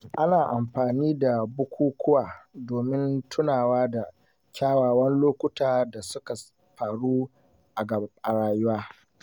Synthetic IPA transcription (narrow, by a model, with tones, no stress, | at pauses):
ʔa˦naː˨ʔa˨mɸaː˨niː˦da˨bʊ˦kʷuː˦kʷʰʊ˦waː˨doː˨mɪ˦ntʰʊ˦naː˨waː˦da˨ | kʲaː˦waː˨wɐ˦nloː˦kʷʊ˦taː˨da˨sʊ˦ka˨ | ɸaː˨ɽuː˦ | ʔa˨ɡɐ˨˦ʔa˨ɽaː˦jʊ˦waː˦